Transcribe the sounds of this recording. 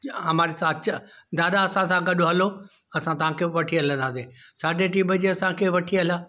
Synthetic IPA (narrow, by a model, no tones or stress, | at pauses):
ɐmaːɾesaːt͡ɕd̪aːd̪aɐsãsãɡɐɗoɦɐlo | ɐsãt̪ɐʋ̤ãkʰeːʋɐʈʰiɦɐlə̃nd̪aːsesaːdʱeʈiːbəd͡ʑeɐsãkʰeːʋɐʈʰiɐlaː